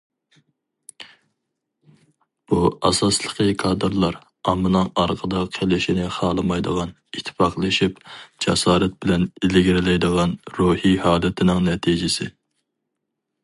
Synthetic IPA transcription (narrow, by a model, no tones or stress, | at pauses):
b̥uɑ̰sɑslˠə̥qʰəkʰɑːd̪ɨɾlˠɑɾ | ɑmːɨnɨŋɑɾqʰəd̪ɑqʰelɪʃinɪχɑːlˠɨmɑjd̪əʁɑn | it̪ʰːɪ̥pɑqlˠɨʃipd͡ʒɛsɑːɾɛt̪̚b̥ɪlɛnilɪɡʲɾɪlɛjd̪əʁɑnɾuhihɑːlˠɛt̪ʰɪnɪŋnɛt̪ʰid͡ʒɪsɪ